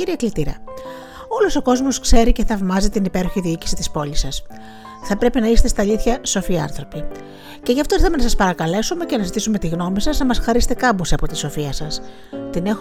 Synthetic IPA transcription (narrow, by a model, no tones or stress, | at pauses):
iɾiɐklit̪iɾɐ̰ | o̞loso̞ko̞zmo̞skse̞ɾice̞θɐvmɐzit̪inipe̞ɾo̞çiðiici̥si̥t̪ispo̞ʎisɐs | θɐpɾe̞pinɐiset̪e̞st̪ɐʎiθçɐso̞fiɐ̰nθɾo̞pi | ce̞ʝɐft̪o̞ɾit̪ɐmenɐsɐspɐɾɐkɐle̞sume̞ce̞nɐzit̪isume̞t̪iɣno̞misɐznɐmɐsxɐɾist̪e̞kɐbuseɐpo̞t̪i̥so̞fiɐsɐs | t̪ine̞x